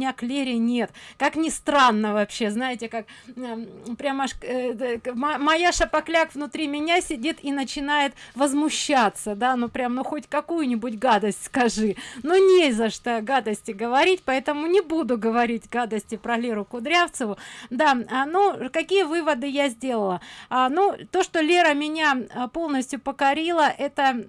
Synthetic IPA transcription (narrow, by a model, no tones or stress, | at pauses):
nʲaklʲeɾʲɪnʲe̞t̪kaknʲɪst̪ɾanːəvɐpɕːe̞znajɪtʲɪkak | pɾʲamaʂ | mɐmɐjaʂɐpɐklʲakvnʊt̪ɾʲimʲɪnʲasʲɪdʲit̪inət͡ɕɪnajɪt̪vəzmʊɕːat̪səd̪anopɾʲamnoxotʲkɐkujʊnʲɪbʊtʲɡad̪əsʲtʲskɐʐɨnunʲezəʂt̪oɡad̪əsʲtʲɪɡəvɐɾʲitʲpɐɛt̪əmʊnʲɪbud̪ʊɡəvɐɾʲitʲɡad̪əsʲtʲɪpɾɐlʲeɾʊkʊd̪ɾʲaft̪səvʊd̪aanukɐkʲijəvɨvəd̪ɨjazʲdʲe̞lˠəlˠəanut̪o̞ʂt̪olʲeɾəmʲɪnʲapolˠnəsʲtʲjʊpəkɐɾʲilˠəʔɛt̪ə